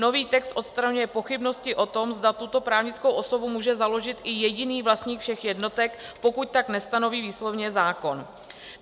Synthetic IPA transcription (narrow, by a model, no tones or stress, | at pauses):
no̞viːt̪ɛkst̪ʔo̞t̪st̪ɾaɲujɛpo̞xɪbno̞scɪʔo̞t̪omzdat̪ut̪o̞pɾaːvɲɪt͡skowʔo̞so̞bumuːʒɛzalo̞ʒɪt̪ʔɪjɛɟɪniːvlast̪ɲiːkfʃɛxjɛdno̞t̪ɛkpo̞kuc̚t̪aknɛst̪ano̞viːviːslo̞vɲɛzaːko̞n